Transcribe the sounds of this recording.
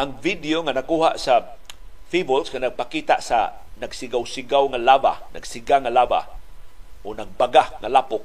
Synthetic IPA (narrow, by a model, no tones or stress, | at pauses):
ʔaŋvidioŋanakuɦaʔsa | fibʊlsŋanaɡ̚pakit̪a̰ʔsa̰ | naɡsɪɡawsɪɡawŋalaba̰na̰ɡsiɡaŋalaːba̰ | ʔonaɡ̚baɡaŋalapʊk̚